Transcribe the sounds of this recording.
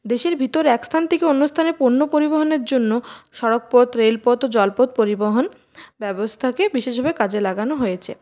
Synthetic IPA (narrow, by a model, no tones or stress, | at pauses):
d̪eʃeɾbʱit̪oɾɛkst̪ʰant̪ʰekeonːust̪ʰanepuɾnːopoɾiboɦoneɾd͡ʑonːoʃɔɾok̚pot̪ɾelpɔt̪od͡ʑɔlpot̪̚poɾiboɦon | bɛbost̪ʰakebiʃeʃbʱabekad͡ʑelaɡanoɦojet͡ɕʰḛ